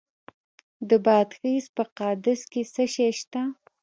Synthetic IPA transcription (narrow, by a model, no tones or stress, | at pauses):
d̪əbɑːd̪xispəqɑːd̪ɪskesəʃeʃt̪a